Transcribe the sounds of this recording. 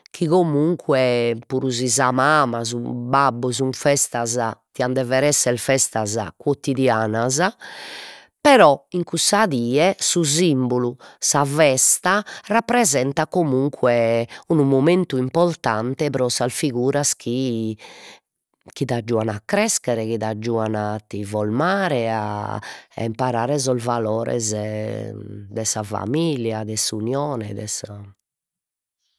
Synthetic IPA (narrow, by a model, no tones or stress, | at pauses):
kʰiɣomuŋkʰwɛpuɾuzizamamazubabːuzuɱfɛst̪aza̰t̪iand̪ɛvɛɾɛsːɛlfɛst̪aza̰kwot̪id̪jaːnaza | pɛɾɔiŋkusaðiːɛsuzimbolusavɛst̪arapːɾɛzɛnt̪akomuŋkʰwɛunumoment̪uimpɔɾt̪ant̪ɛpɾɔsasfiɣuːɾaskʰi | k̟iðad͡ʒːuanakːɾɛskɛɾɛkiðad͡ʒːuːanat̪ːivɔlmaːɾɛa̰a̰impaɾaːɾɛzɔzvalɔːɾɛ̰z | d̪ɛsafa̰miljad̪ɛsunjɔːnɛd̪ɛ̰sa